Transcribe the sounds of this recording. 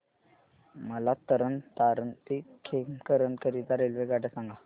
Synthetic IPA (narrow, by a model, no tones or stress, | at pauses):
məlat̪əɾənt̪aɾənt̪ikʰekəɾənkəɾit̪aɾelʋeɡaʈəsãŋɡa